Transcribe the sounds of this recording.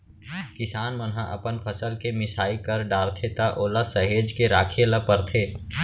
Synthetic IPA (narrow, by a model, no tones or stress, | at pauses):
kɪsaːnmənɦãʔɐ̰pənpʰəsəlkemɪsaːikɐɾɖaːɾt̪ʰet̪aʔoːlasɐɦeːd͡ʒkeɾaːkʰeləpəɾt̪ʰeː